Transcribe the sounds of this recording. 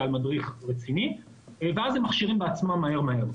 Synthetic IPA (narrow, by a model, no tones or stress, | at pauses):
almadʁiχʁet͡sini | veazemaχʃiʁĩmbeat͡smamːahe̞ʁmaɦe̞ʁ